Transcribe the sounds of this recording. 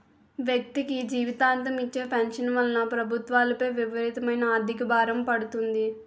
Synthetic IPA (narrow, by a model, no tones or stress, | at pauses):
ʋjɐk̚t̪ikiiːd͡ʒiːʋit̪aːnt̪̬ɐmit͡ʃːe̞ːpʰɐnʂɐnʋɐlɐnɐpɾɐbʱut̪ʋaːlɐpɐjʋiʋɐɾiːt̪ɐmɐjnɐaːd̪ʱikɐbaːɾɐmpɐɽut̪und̪i